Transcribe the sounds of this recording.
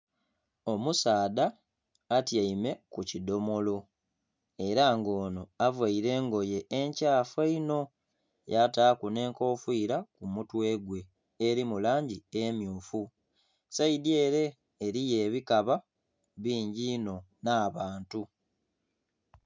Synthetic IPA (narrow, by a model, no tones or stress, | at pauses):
o̞musaːdaː | tjaime̞kucido̞mo̞lo̞ | e̞ɾaŋɡo̞ːnoavwaiɾe̞ːŋɡo̞je̞ʔːɲcaːfweino̞ | jataːkune̞ːŋko̞ːfwiːɾakumutwe̞ːɡwe̞ː | ɾimulaːɲɟiemjuːfu | saidje̞ːɾe̞ː | ɾije̞ːβikaβa | βiːɲɟino̞naːβaːntu